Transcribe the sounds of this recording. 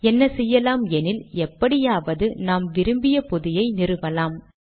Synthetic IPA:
ɛnːɐsɛjːɐlaːmɛnɪlɛpːɐɽɪjaːʋɐðɯnaːmʋɪɾɯmbɪjɐpɔðɪjɐɪnɪrɯʋɐlaːm

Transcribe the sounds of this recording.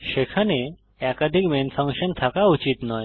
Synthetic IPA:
ʃekʰane | ɛkad̪ʱikmenfʰəŋkʃənt̪ʰakaut͡ɕit̪nɔj

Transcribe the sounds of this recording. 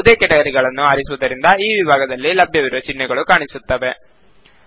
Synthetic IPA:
d̪eːkɛʈɐɡɐɾiɡɐɭɐnːuaːɾisuʋud̪ɐɾind̪ɐiːʋibʱaːɡɐd̪ɐlːilɐbʱjɐʋiɾuʋɐt͡ʃiɳːɛɡɐɭukaːɳisut̪ːɐʋe̞

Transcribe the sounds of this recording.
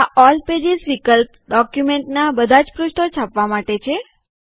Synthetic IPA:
aʔɔlped͡ʒisʋikəlp̚ | ɖɔkjumeɳʈnabəd̪ʱad͡ʒpɾuʃʈ̪ʰot͡ʃʰapʋamaʈet͡ʃʰe

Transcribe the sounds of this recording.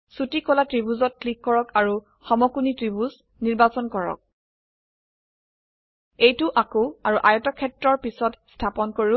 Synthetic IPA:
sutikɔlatɹibuzɔt̚klikːɔɹɔkaɹu | xɔmɔkunitɹibuz | niɹbasɔnkɔɹɔ̰k̚ | ejtʊʔakoaɹuʔajɔtɔkʰɛtɹɔɹpisɔtstʰapɔnkoɹiʊ

